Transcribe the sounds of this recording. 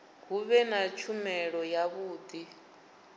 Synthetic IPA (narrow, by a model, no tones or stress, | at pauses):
ɦuβɛnat͡ʃʰumɛɺɔjaβuːd̪i